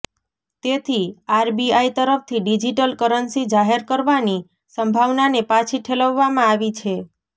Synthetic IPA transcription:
t̪et̪ʰiaɾbiait̪əɾəfʰt̪ʰiɖid͡ʒiʈəlkəɾənsid͡ʒaɦeɾkəɾʋani | səmbʱaʋnanepat͡ʃʰiʈʰeləʋːamãaʋit͡ʃʰe

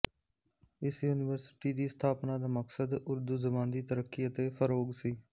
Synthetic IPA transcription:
ɪsjuːnɪʋəɾsɪ̥ʈiːd̪iːst̪ʰaːpnaːd̪aːməksəd̪ʊɾd̪uːzəbãːnd̪iːt̪əɾəkːiːət̪eːfʰəɾoːɡsiː

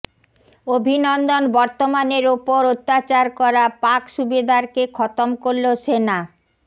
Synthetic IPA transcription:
obʱinɔnd̪onbɔɾt̪omaneɾupoɾot̪ːat͡ɕaɾkɔɾapakʃubid̪ʱaɾkekʰɔt̪omkoɾloʃena

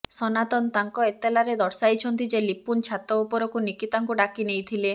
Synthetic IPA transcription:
sɔnat̪ɔnt̪aŋkɔet̪elaɾed̪ɔɾsajt͡ʃʰɔnt̪id͡ʒelipunt͡ʃʰat̪ɔupɔɾɔkunikit̪aŋkuɖakinejt̪ʰile

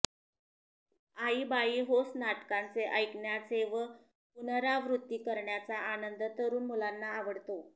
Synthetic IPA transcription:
aiːbaiːɦosnaʈkant͡seʔəjkɳjat͡seʋə | punəɾaʋɾut̪ːiːkəɾɳjat͡saʔanənd̪ət̪əɾuːnmulanːaːʋəɽt̪o

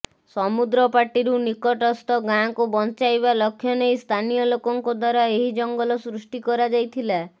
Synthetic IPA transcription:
sɔmud̪ɾɔpaʈiɾunikɔʈɔst̪ɔɡãkubɔnt͡ʃajβalɔkʰːjɔnejst̪ʰanijɔlokɔŋkɔd̪waɾaeɦid͡ʒɔŋɡɔlɔsɾusʈikɔɾad͡ʒajt̪ʰila

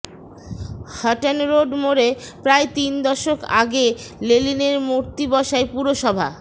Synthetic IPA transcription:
haʈanɾoɖmoɾepɾaet̪ind̪ɔʃoka̰ɡelelineɾmoɾt̪ibɔʃaepuɾoʃɔbʱa̰

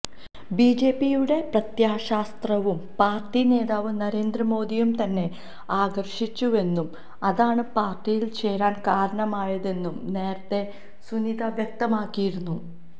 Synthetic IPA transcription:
biːd͡ʑe̞ːpːijuɽe̞prɐt̪jaːɕaːst̪rɐʋumpaːrʈine̞ːðaːʋɨnɐɾe̞ːnd̪rɐmo̞ːd̪ijumt̪ɐnːe̞ | aːɡɐrʂit͡ɕːue̞nːum | ɐðaːɳɨpaːrʈijilt͡ɕe̞ːɾaːnkaːɾɐɳɐmaːjɐðe̞nːumne̞ːɾɐt̪ːe̞ | sunid̪ɐʋjɐk̚t̪ɐmaːkːijiɾunːu

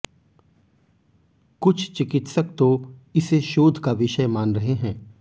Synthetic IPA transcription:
kʊt͡ʃʰt͡ʃɪkɪt̪səkt̪oɪseʃoːd̪ʱkaʋɪʃəjmaːnɾɐɦeɦɛ̃ː

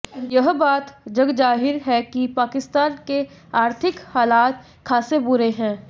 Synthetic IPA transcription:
jɐɦbaːt̪d͡ʒɐɡd͡ʒaːɦɪɾɦɛkipaːkɪst̪aːnkeaːɾt̪ʰɪkhaːlaːt̪ | kʰaːsebʊɾeɦɛ̃ː

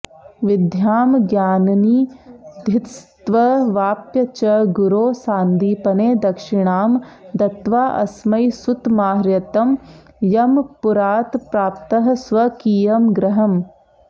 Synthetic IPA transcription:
ʋɪd̪ʱjaːmɡjaːnɐniːd̪ʱɪt̪st̪ʋɐʋaːpjɐt͡ʃɐɡuɾoːsaːnd̪iːpɐneːd̪ɐkʂɪɳaːmd̪ɐt̪ʋaːʔɐ̰smɐjsut̪maːɦɾjɐt̪ɐm | jɐmpuɾaːt̪pɾaːpt̪ɐɦɐsʋɐkiːjɐmɡɾɐɦɐm

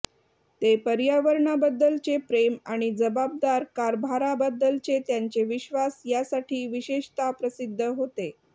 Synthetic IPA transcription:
t̪epəɾjaʋəɾɳabəd̪ːəlt͡sepɾemaɽ̃id͡zəbab̚d̪aɾkaɾbʱaɾabəd̪ːəlt͡set̪jaɲt͡ɕeʋiɕʋasjasaʈʰiːʋiɕeɕt̪apɾəsid̪ʱːəɦot̪e

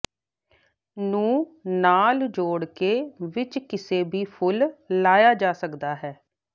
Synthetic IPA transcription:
nũːnaːld͡ʒoːɽkeːʋɪt͡ʃkɪseːbʱiːpʰʊlːaːjaːd͡ʒaːsəkd̪aːɦɛː

